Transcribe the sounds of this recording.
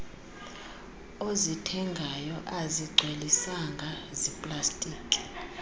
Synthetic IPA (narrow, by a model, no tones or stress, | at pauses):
ozitʰɛŋɡʱajɔʔaziɡ͡ǀʱwelisaŋɡʱazipʼlastʼiːkʼi̥